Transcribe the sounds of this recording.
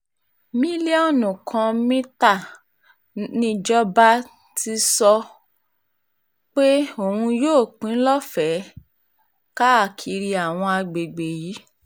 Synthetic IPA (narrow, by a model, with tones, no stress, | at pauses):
mĩ˦li˦ɔ˦˨nũ˨kʰã˧mĩ˦ta˦˨ | nĩ˦d͡ʒɔ˦ba˦ | ti˧sɔ˧ | k͡pe˦o˦˨hũ˧joː˦˨k͡pĩ˨˦lɔ˦fɛ˨˦ | ka˦a˦˨kʰi˨˦ɾi˧a˨w̃ɔ̃˧a˧ɡ͡be˨ɡ͡be˨ji˨˦